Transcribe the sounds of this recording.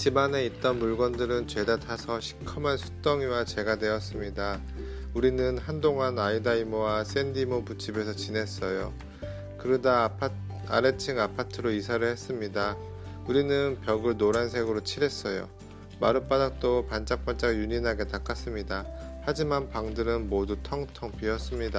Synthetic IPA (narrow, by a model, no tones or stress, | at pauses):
t͡ɕimane̞it͈ʌnmuɭɡwʌndɯɾɯnt͡ɕwe̞datʰasʰʌɕʰi̥kʰʌmansʰu̥t͈ʌŋiwat͡ɕe̞ɡane̞ʌs͈ɯmɲida | uɾinɯnɦandoŋanaidaimowas͈e̞ndimoput͡ɕʰibe̞sʰʌt͡ɕine̞s͈ʌjo̰ | kɯɾɯda | a̰ɾet͡ɕʰiŋapʰatʰɯɾoisʰaɾɯɭhe̞s͈ɯmɲida | uɾinɯnpjʌɡɯɭnoɾansʰe̞ɡɯɾot͡ɕʰiɾe̞s͈ʌjo̰ | ma̰ɾɯp͈adak̚t͈opant͡ɕ͈ak̚p͈ant͡ɕ͈aɡjuɲinɦaɡe̞tak͈as͈ɯmɲidahad͡ʑimanpaŋdɯɾɯnmodutʰʌŋtʰʌŋp͈iʌs͈ɯmɲida